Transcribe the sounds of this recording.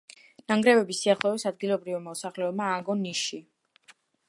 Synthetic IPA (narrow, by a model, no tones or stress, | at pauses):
naŋɡɾɛvɛbisiaχlˠɔɛsad̪̚ɡilˠɔbɾivimɔsaχlɛɔb̚maːɡɔniʃi